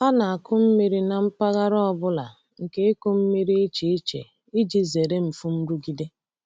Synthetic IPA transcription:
a˦na˨a˨kʊ˦m̩˦mi˦ɾi˦na˨m̩˦pa˦ɣa˦ɾɔ˦ɔ˦bʊ˦la̰˨ | ŋ̩˨ke˦e˦ko˦m̩˦mi˦ɾi˦i˦t͡ʃi˦i˦t͡ʃḛ˨ | i˦d͡ʒi˦ze˨ɾe˦m̩˨fʊ˦m̩˦ɾu˦ɡi˦de˦

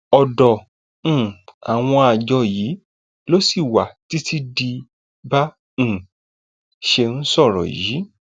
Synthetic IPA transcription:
ɔ˨dɔ̃˨˦˨ | a̰˨w̃ɔ̃˧a˨d͡ʒɔ˧ji˨˦ | lo˦si˦˨wa˨ti˨˦tʰi˦di˧ | bã˦˨ | ʃe˧n̩˦sɔ˦˨ɾɔ̰˨ji˨˦

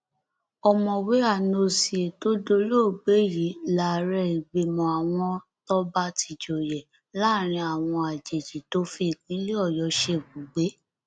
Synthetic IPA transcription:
ɔ˨mɔ̃˨we˨˦a˦˨no˧si˨e˨to˦do˧lo˦˨ɡ͡be˨˦ji˨˦la˦˨ɾɛ˧˦i˨ɡ͡be˨˧mɔ̃˨a˨w̃ɔ̃˧tɔ˦ba˦ti˧d͡ʒo˨jɛ˨ | la˦˨ɾ̃ĩ˧a˨w̃ɔ̃˧a˨d͡ʒe˨d͡ʒi˨to˦fi˧˦˨kĩ˨˦li˦ɔ˦˨jɔ˨˧˦ʃe˧˨ɡu˨ɡ͡be˨˦

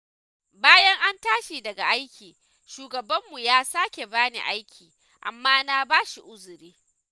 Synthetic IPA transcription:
baː˦jɐ˦ŋʔa˦ntaː˦ʃi˨dɐ˨ɡa˨ʔa˦jkʲʰiː˨ | ʃuː˨ɡɐ˨bɐ˦mːu˨jaː˦saː˦kʲe˨baː˦nḭ˨ʔa˦jkʲʰiː˨ | ʔa̰˨mːaː˦na˦baː˦ʃi˨ʔʊ˦zʊ˨ɾiː˦

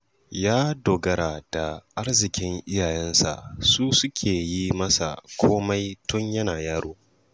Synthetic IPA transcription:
jaː˦doː˨ɡɐ˦ɾaː˨d̥a˨ʔa˦rzɪ˨kʲɪ˦ŋʔɪ˦jaː˨jɛ˦nsa̰˨ʔsuː˦sʊ˦kʲʰeː˨ji˦mɐ˦sa̰˨kʷʰoː˦ma˦jtʊ˦ɲjɐ˦naː˨jaː˦ɾoː˦

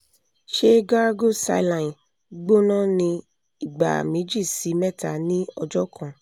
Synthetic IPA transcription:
ʃe˦ɡa˦ɾɡo˦˨sa̰˧˦˨lã˨n˨ | ɡ͡bo˦nã˦˨nĩ˧ | i˨ɡ͡ba̰˨mĩ˨˦d͡ʒi˦˨si˨˦mɛ˦˨ta̰˨nĩ˦ɔ˧d͡ʒɔ˦kʰã˧˨

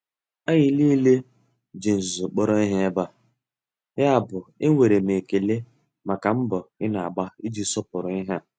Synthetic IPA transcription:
a˦ɣɪ˨liː˦le˦ | d͡ʒe˨n̩˨zu˨k͡pɔ˦ɾɔ˦ɪ˦ɦe˦e˦ba˦ | ja˦a˨bʊ˨ɪ˦e˨ɾe˨m˨e˨ke˨le˦ | ma˨ka˨m̩˦bʊ˨ɪ˦na˨a˨ɡ͡ba˦i˦d͡ʒi˦sɔ˦pʊ˨ɾʊ˨ɪ˦ɦa˦

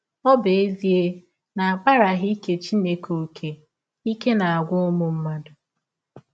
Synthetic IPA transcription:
ɔ˦be˨e˦zi˦e˦ | na˨a˨ba˦ɾa˨ɣɪ˦i˦ke˨t͡ʃi˦ne˦ko˨kʰe˨ | i˦ke˦na˨a˨ɡʷʊ˦mʊ˦m̩˦ma˦dʊ˨

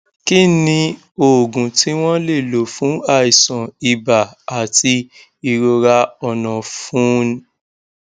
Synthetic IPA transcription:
ki˦nĩ˧ | o˨ɡũ˨ti˨˦w̃ɔ̃˦le˦˨lo˨˦fũ˨˦a˦˨i˨sɔ̃˨i˧ba˨a˨ti˧ | i˧ɾo˧ɾa˧ɔ˧˨nã˨fũ˦n˦

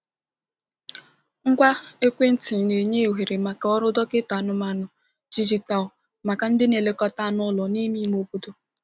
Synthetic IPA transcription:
ŋ̩˦kʷa˦e˦kʷe˦n̩˦tɪ˨ne˨ɲe˦˨ɦe˨ɾe˨ma˨ka˨˦ɔ˦ɾʊ˦dɔ˦kɪ˦ta˨nʊ˨ma˨nʊ˨ | d͡ʒi˦d͡ʒi˦ta˨ʊ˨ | ma˨ka˨n̩˦dɪ˦ne˨le˦kɔ˦ta˦˨nʊ˦lɔ˨ni˦mi˦m˦o˦bu˦tu˦

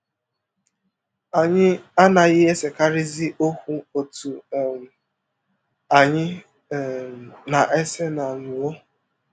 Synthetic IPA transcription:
a˨ɲɪ˦a˦na˨ɣɪ˦e˦se˨ka˦ɾɪ˦zɪ˦ʔo˦hʷu˦o˨tu˨ | a˨ɲɪ˦˨ | na˨ʔe˦se˦na˨nu˨wo˦

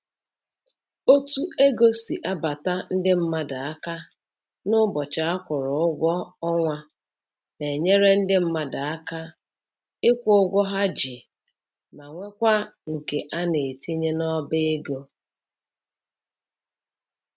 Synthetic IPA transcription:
o˦tu˦e˦ɡo˦si˨ʔa˦ba˨ta˦n̩˦dɪ˦m̩˦ma˦da˨a˦ka˦ | nʊ˦bɔ˨t͡ʃa˨a˦kʷʊ˨ɾʊ˨ʊ˦ɡʷɔ˦ɔ˦ŋʷa˦ | ne˨ɲe˦ɾe˦n̩˦dɪ˦m̩˦ma˦da˨a˦ka˦ | ɪ˦kʷʊ˦ʊ˦ɡʷɔ˦ɦa˦d͡ʒi˨ | ma˨ŋʷe˦kʷa˦ŋ̩˨ke˨ʔa˦ne˨ti˦ɲe˦nɔ˦bɪ˦e˦ɡo˦

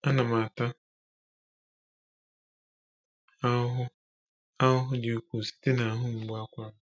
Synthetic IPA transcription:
a˦na˨ma˨ta˦ | a˦ɦʊ˦ | a˦ʊ˦ɦʊ˦de˨˦u˦kʷu˨si̥˦te˦na˨˦ɦʊ˦ŋ͡m̩˨ɡ͡bʊ˦a˦kʷa˦ʊ˦

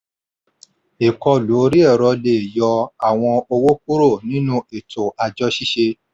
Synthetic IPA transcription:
e˨kɔ˧lu˨˦ɾi˦ɛ˦˨ɾɔ˧le˨jɔ˧a˨w̃ɔ̃˧o˧wo˦k̚u˦ɾo˦˨nĩ˦nũ˦e˨tʰo˨a˧d͡ʒɔ˦ʃi˦ʃe˧

